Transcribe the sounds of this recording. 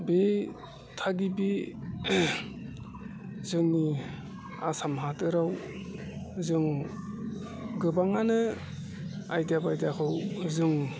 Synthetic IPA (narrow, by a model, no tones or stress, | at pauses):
be | tʰaɡibi | zɯŋni | asamɦatɯɾaw | zɯŋ | ɡɯbaŋanɯ | ajdabajdakʰɯwzɯŋ